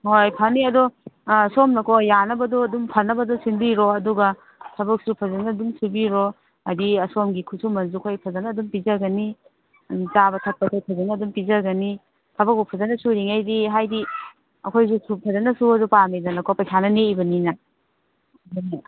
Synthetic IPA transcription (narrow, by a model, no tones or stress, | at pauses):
ŋoɾajpʰɐniɐdɔːsomnɐkɔjanɐbɐdɔːdumpʰɐnɐbɐdɔsindiɾoɐduɡɐ | tʰɐbɐk̚supʰɐzɐnɐːdumsubiɾo | ɐdiɐsomɡikʰusʰumɐnsukʰojpʰɐzɐnɐːdumpizɐɡɐni | zabɐtʰɐk̚pɐkʰojpʰɐzɐnɐːdumpizɐɡɐni | tʰɐbɐk̚bupʰɐzɐnɐsuɾiŋajdiɦajdi | ɐkʰojsusupʰɐzɐnɐsuɐzupamezɐnɐkɔpɐjsʰanɐneibɐninɐ | dnɐ